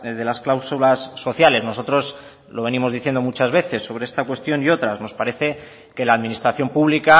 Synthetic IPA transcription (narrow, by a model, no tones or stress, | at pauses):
ðe̞lasklawsulasːo̞θjale̞zno̞s̬o̞t̪ɾo̞s | lo̞β̞e̞nimo̞zðiθje̞nd̪o̞mut͡ʃazβe̞θe̞sːo̞β̞ɾe̞est̪akwe̞st̪jo̞nio̞t̪ɾazno̞spaɾe̞θe̞ | ke̞laːðminist̪ɾaθjo̞mpuβlika